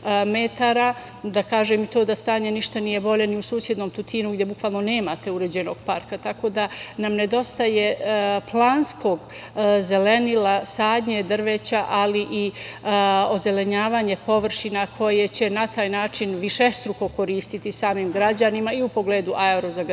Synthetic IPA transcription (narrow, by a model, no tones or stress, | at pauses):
met̪aːɾa | d̪akaːʒemit̪oːd̪ast̪aːɲe̞niʃt̪anije̞bo̞ʎe̞niusuːsje̞d̪no̞ːmt̪ut̪ʰiːnuɡdje̞bukʋaːlˠno̞ne̞ːmaːt̪e̞uɾe̞d͡ʑeno̞ɡ̥paɾkat̪ako̞d̪anamne̞d̪o̞st̪aje̞plˠaːnsko̞ːɡze̞le̞nilasaːd̪ɲed̪rʋet͡ɕaʔaliʔi | o̞ze̞le̞ɲaːʋaːɲe̞po̞ʋr̩ʃinakʰo̞je̞t͡ɕe̞nat̪aːjnaːt͡ʃinʋiʃe̞st̪ɾuko̞ko̞ɾiːst̪it̪isaːmimɡɾad͡ʑanimaiupo̞ɡleːd̪uʔaeɾozaɡ